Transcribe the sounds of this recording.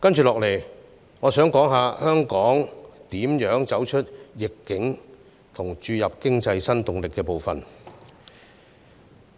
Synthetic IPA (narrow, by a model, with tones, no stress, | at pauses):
kɐ˥nt͡ʃyː˨lɔː˨k̚le˨˩j | ŋɔː˨˧sœː˨˥ŋkɔː˨˥ŋɦaː˨˧hœː˥ŋkɔː˨˥ŋt̪iː˨˥mjœː˨˥ŋt͡sɐ˨˥wt͡ʃʰɵ˥t̚jɪ˨kːɪ˨˥ŋ | t̪ʰʊ˨˩ŋt͡ʃyː˧jɐ˨p̚kɪ˥ŋt͡sɐ˧jsɐ˥nt̪ʊ˨ŋlɪ˨kːɛː˧po˨˧wfɐ˨n